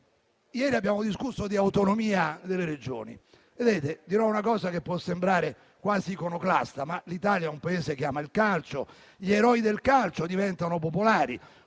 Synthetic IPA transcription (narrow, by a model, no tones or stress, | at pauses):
jɛːɾiabːjaːmod̪iskusːod̪iawt̪onomiːad̪elːeɾed͡ʒo̰ːnḭ | ved̪eːt̪ed̪iɾɔunakɔːsakepːwɔsːembɾaːɾe | kwaːzikonoklast̪amalit̪aːljaɛumpaeːsek̬jaːmailkalt͡ʃo | ʎieɾɔːid̪elkalt͡ʃod̪ivɛnt̪anop̬opolaːɾi